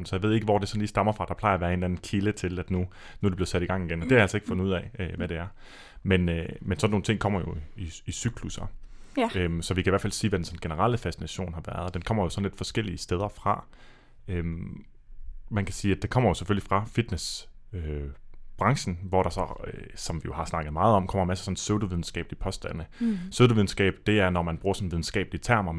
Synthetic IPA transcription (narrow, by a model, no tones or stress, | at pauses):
nsɒjäʋe̝ð̰ˠeɡəʋɒ̰d̥e̝sɒ̽nliːsd̥ɑ̈mɐfʁɑ̈d̥ɑ̈pʰlɑ̈ɪɐæʋæːɐe̝nænn̩kʰilət͡sʰe̝læd̥nu | nuæde̝b̥lið̩ˠsæɾ̥iɡ̥ɑ̈ŋ̰iɡ̥enɒ̽d̥e̝hæjælseɡ̥fɔ̽n̩uð̰ˠɛ̰ɪʋæɾe̝æɐ | menømensɒno̝ːn̩t͡sʰe̝ŋ̰kʰɒ̽m̰ɐjo̝iisyɡ̥ʰlusɐ | ømsɒ̽ʋikʰæiʋæɐfælsiːʋæd̥ensɒ̽n̩ɡ̥enəʁɑ̈ləfæsinæɕo̝̰ːnɦɑ̈ʋæɐð̞̩ˠd̥enkʰɒ̽m̰ɐjo̝sɒ̽n̩le̝d̥fɒ̽sɡ̥el̰iəsd̥eð̞ˠɐfʁɑ̈ | øm | mænkʰæsiːæd̥ekʰɒ̽m̰ɐjo̝se̥føl̰ifʁɑ̈fid̥nes | øb̥ʁɑ̈ŋɕn̩ʋɒɾ̥ɑ̈sɒ̽øsɒ̽mʋijo̝hɑ̈snɑ̈ɡ̥ð̩ˠmɑ̈ːð̩ˠɒ̽mkʰɒ̽m̰ɐmæsə̥sɒ̽n̩søʊd̥oʋið̞ˠn̩sɡ̥ɛ̰ːb̥lipʰɒ̽sd̥æn̰əsøʊd̥oʋiðˠn̩sɡ̥ɛ̰ːb̥d̥e̝æɐnɒmænb̥ʁuːɐsɒ̽n̩ʋið̞ˠn̩sɡ̥ɛ̰ːb̥liət͡sʰæɐ̰mɐ